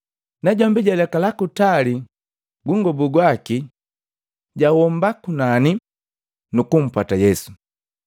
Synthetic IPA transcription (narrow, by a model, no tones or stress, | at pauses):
naɟɔmbiɟalɛkalakutali | ɡuŋɡɔbuɡwaki | ɟawɔmbakunani | nukum̩patajɛsu̥